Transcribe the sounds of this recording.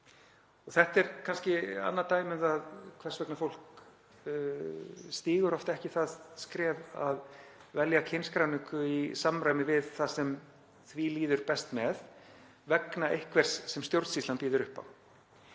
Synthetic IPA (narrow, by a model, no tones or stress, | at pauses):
ɔɣθɛht̪ɛɾkʰanscɪa̰nːat̪aːjmɪðaðkʰvɛ̥svɛknafowl̥k | st̪iːɣʏɾɔft̪ɛhcɪθaðskɾɛːva̰ðvɛljacʰɪnskɾawnɪŋkʏisamːɾajmɪvɪðθasɛm | θviliːðʏɾpɛst̪mɛð | vɛknaʔejhkvɛr̥sːɛmst̪jowɾt̪sist̪ant̪piːðʏɾʏhpa̰w